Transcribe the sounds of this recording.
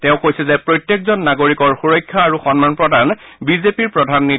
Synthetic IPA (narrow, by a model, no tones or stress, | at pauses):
tɛʊ̃kojsɛzɛpɹojtjekzɔnːaɡoɹikɔɹxuɹɔjkʰːaːɹuxɔnmanpɹɔdanbizepiɹpɹɔdʱanːi